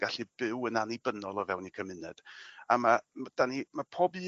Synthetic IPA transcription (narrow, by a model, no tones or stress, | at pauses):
ɡ̥aɬib̥ɪwənanibənɔlˠɔvɛwnikʰəmɨnɛd̥amamd̥animapʰoːbɨ